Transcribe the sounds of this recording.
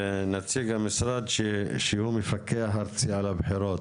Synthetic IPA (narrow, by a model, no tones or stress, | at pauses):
nat͡siɡhamɪsɾad̪ʃehumɪfakːeɦaɾt͡siʕalabħiɾoːt̪